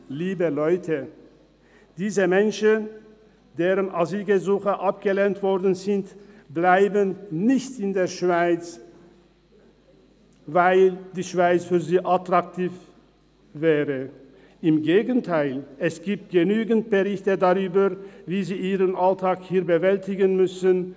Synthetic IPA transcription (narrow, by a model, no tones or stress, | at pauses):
liːbəlɔʏtʰə | d̥iːzəmɛnʃən | d̥eːʁənʔaziːlɡəzuːxəʔap̚ɡ̥əleːntv̥ɔʁdn̩zɪntb̥laɪbənnɪçtɪndeːɐʃv̥aɪt͡s | vaɪld̥iːʃv̥aɪt͡sfyːɐziːʔatʁ̥ak̚tʰiːf | vɛːʁə | ʔɪmɡeːɡəntʰaɪlɛsɡ̥iːp̚t̚ɡ̥ənyːɡn̩t̚b̥əʁɪçtədaʁyːbɐviːziːʔiːʁənʔaltʰaːkhiːɐbəvɛltɪɡənmʏsən